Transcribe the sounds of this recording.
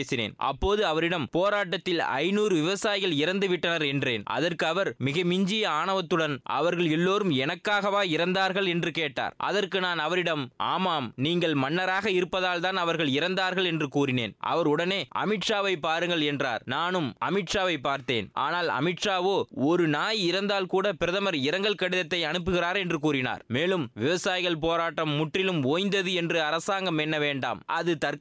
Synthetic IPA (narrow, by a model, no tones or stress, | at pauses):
sɪnḛːnʔɐ̰pːoːðɯɐʋɐɾɪɽɐmpoːɾaːʈːɐt̪ːɪlɐ̰ɪnuːɾɯʋɪʋɐsaːjɪɣɐɭɪɾɐnd̪ɯʋɪʈːɐnɐɾɛndreːnʔɐ̰ðɐrkɯɐʋɐɾmɪɣɐmɪɲd͡ʒɪjɐaːɳɐʋɐt̪ːɯɽɐnʔɐ̰ʋɐɾɣɐɭɛlːoːɾɯmɛnɐkːaːɣɐʋaːɪɾɐnd̪aːɾɣɐɭɛndrɯkeːʈːa̰ːɾʔɐ̰ðɐɾkɯnaːnɐʋɐɾɪɽɐmʔa̰ːmaːmniːŋɡɐɭmɐnːɐɾaːɣɐɪɾɯpːɐðaːlt̪aːnɐʋɐɾɣɐɭɪɾɐnd̪aːɾɣɐɭɛndrɯkuːɾɪnḛːnʔɐ̰ʋɐɾʊɽɐneːʔɐ̰mɪʈʂaːʋɐɪpːaːɾɯŋɡɐɭɛndra̰ːɾnaːnɯmɐ̰mɪʈʂaːʋɐɪpːaːɾt̪ḛːnʔa̰ːnaːlɐ̰mɪʈʂaːʋoːɔɾɯnaːjɪɾɐnd̪aːlkuːɽɐpɪɾɐðɐmɐɾɪɾɐŋɡɐɭkɐɽɪðɐt̪ːɐɪɐnɯp̬ːɯɣɪɾaːɾɛndrɯkuːɾɪna̰ːɾmeːlɯmʋɪʋɐsaːjɪɣɐɭp̬oːɾaːʈːɐmːʊʈrɪlɯmoːjnd̪ɐðɯɛndrɯɐɾɐsaːŋɡɐmɛnːɐʋeːɳɖa̰ːmɐðɯt̪ɐɾ